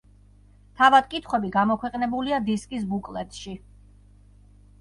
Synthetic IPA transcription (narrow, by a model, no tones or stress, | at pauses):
t̪ʰavad̪̥̚kʼit̪ʰχwɛbiɡamɔkʰwɛqʼnɛbuliad̪iskʼis̬bukʼlɛt̪ʃi